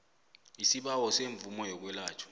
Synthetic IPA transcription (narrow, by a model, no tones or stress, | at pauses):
isiɓawɔseɱb̪vumɔjɔk̬wɛlaːt͡ʃʰɔ̥